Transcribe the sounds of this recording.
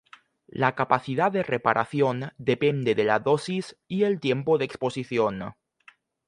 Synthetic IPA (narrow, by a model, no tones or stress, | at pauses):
lakapaθiðaðerepaɾʔaθjond̪epend̪eðela̰ðosisielt̪jempoðeksposiθjon